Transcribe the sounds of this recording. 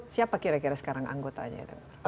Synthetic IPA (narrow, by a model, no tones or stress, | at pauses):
siapakiɾakiɾasə̥kaɾaŋʔa̰ŋɡot̪a̰ɲa̰da̰ŋr